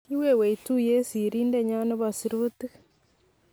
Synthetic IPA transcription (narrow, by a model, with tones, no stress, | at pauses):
i˦we˦we˨i˨tu˦je˦si˨ɾiː˦nde˦ɲa˦ne˦βasiɾuti˦